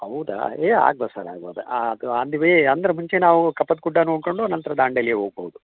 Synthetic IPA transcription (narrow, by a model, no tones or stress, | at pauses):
ɦɐwd̪a̰eːa̰ːɡ̚boːsaɾa̰ːɡboːd̪ɐ̰aɐd̪uɐnd̪iʋeɐnd̪ɐɾɐmuɲt͡ʃenaːʋukɐpːɐt̪̚kuɖːɐnɦoːɡkoɳɖunɐnt̪ɾɐd̪aːɳɖɐlijeːɦoːɡ̚boːwd̪u